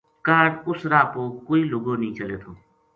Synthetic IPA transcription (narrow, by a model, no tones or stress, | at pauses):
kaːɾʊsɾaːpokoiloɡonĩt͡ʃəlet̪ʰo